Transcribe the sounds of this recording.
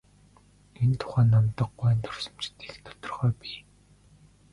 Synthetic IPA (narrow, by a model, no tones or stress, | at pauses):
ent̪ʰʊ̥χæːnːamt̪ə̆qɢæːnt̪ʰɔrsɞ̥̆mt͡ɕɪ̥t̪iːxt̪ɔ̥t̪ɞ̆rχœːpiː